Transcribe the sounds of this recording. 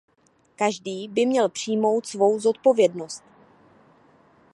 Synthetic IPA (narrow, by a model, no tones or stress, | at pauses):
kaʒdiːbɪmɲɛlpr̝̥ijmo̞wt̪svo̞wzo̞t̪̚po̞vjɛdno̞st̪